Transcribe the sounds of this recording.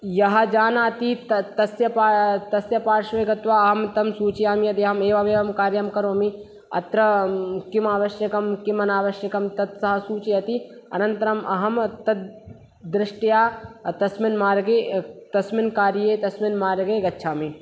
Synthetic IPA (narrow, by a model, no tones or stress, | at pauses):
jɐɦɐd͡ʒaːnaːt̪it̪t̪ɐsjɐpaːt̪ɐsjɐpaːɾʃʋeːɡɐt̪ʋaːɐɦɐmt̪ɐmsuːt͡ʃijaːmiɐt̪iɐɦɐmeːʋaʋeːʋɐmkaːɾjɐmkɐɾoːmi | ɐ̰t̪ɾɐkimaːʋɐʃjɐkɐmkimɐnaːʋɐʃjɐkɐmt̪ɐt̪sɐɦɐsuːt͡ʃiɐt̪iɐ̰nɐnt̪ɐɾɐmɐɦɐmt̪ɐt̪̚ | d̪ɾɪʂʈijaːt̪ɐsminmaːɾɡeːt̪ɐsmɪnkaːɾjeːt̪ɐsminmaːɾɡeːɡɐtːʃʰaːmi